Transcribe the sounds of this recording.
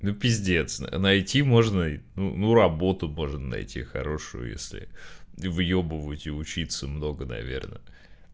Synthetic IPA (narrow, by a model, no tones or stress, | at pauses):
nupʲɪzʲdʲe̞t̪snə̰nɐjtʲimo̞ʐnənunuɾɐbo̞t̪ʊmo̞ʐnənɐ̰jtʲḭxɐ̰ɾo̞ʂʊjʊ̰jḛsʲlʲɪ̰ivjobɨvʊt̪ʲɪʊt͡ɕit̪səmno̞ɡənɐ̰vʲe̞̰rnə